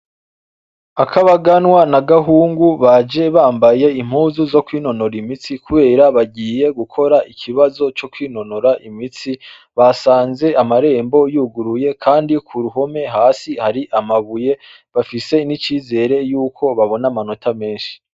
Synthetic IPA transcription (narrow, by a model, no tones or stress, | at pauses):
akʰaβaɡanwanaɡaɦuːŋɡuβad͡ʒe̞βaːmbaje̞im̥huːzuzo̞kwiːno̞no̞ɾimit͡sikuβe̞ːɾaβaɟiːje̞ɡukʰo̞ɾaʔikʰiβazo̞t͡ʃo̞kwiːno̞noɾaʔimit͡si | βasaːnze̞ʔamaɾe̞ːmbo̞juːɡuɾuje̞kʰaːndikʰuɾuɦo̞me̞ɦaːsihaɾiʔamaβuje̞ | βafise̞nit͡ʃiːze̞ːɾe̞juːkʰo̞βaβo̞namano̞tʰame̞ːnʃi̥